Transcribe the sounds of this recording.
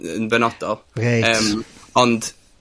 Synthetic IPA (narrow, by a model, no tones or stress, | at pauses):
ənvɛnɔd̥ɔlˠɾejəmɔnd̥